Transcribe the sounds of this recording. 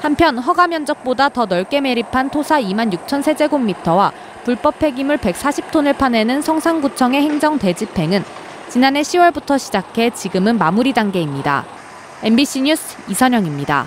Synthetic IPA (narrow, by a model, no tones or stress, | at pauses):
hampʰjʌnɦʌɡamjʌnd͡ʑʌk̚p͈odatʌnʌɭk͈e̞me̞ɾipʰantʰosʰaimanjuk̚t͡ɕʰʌnsʰe̞d͡ʑe̞ɡomːitʰʌwa | puɭp͈ʌpʰe̞ɡimɯɭpe̞k̚s͈aɕʰip̚tʰonɯɭpʰane̞nɯnsʰʌŋsʰaŋɡut͡ɕʰʌŋe̞he̞ŋd͡ʑʌŋte̞d͡ʑipʰe̞ŋɯn | t͡ɕinane̞ɕʰiwʌɭbutʰʌɕʰid͡ʑakʰe̞t͡ɕiɡɯmɯnmamuɾidaŋɡe̞imɲida̰ | e̞nbiɕ͈ʰiɲusʰ | isʰʌɲʌŋimɲida̰